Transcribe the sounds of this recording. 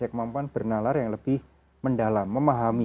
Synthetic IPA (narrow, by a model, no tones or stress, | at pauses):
akəmampuanb̥ərnalarjaŋləb̥ɪh | məndalamːəmaɦami